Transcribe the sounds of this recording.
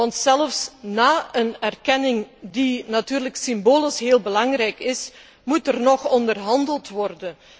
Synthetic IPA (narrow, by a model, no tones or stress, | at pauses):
ɑntsɛləfsnaːənɛrkɛnɪŋdinatyːrləksɪmboːlɪsɦeːlˠbəlɑŋrɛjkɪs | mutərnɔxɔndərɦɑndəlˠtʋɔrdən